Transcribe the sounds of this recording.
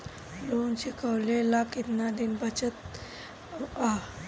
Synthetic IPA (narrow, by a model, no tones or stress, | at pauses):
lonɕikəwlelakit̪nad̪inbət͡ɕət̪̚ | a